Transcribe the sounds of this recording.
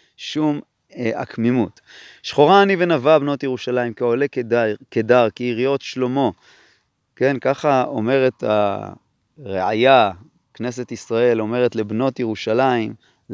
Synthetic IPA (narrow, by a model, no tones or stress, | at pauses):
ʃum | a̰kmimut | ʃχo̞ʁaːnive̞navabno̞tjeʁuʃalaimkeolekekedaʁkiːʁijo̞tʃlo̞mo̞ | ke̞nkaχao̞̰me̞ʁe̞t̪a̰ | ʁeʕa̰ja | kne̞se̞t̪isʁae̞lo̞me̞ʁe̞tle̞bno̞tjeʁuʃalaim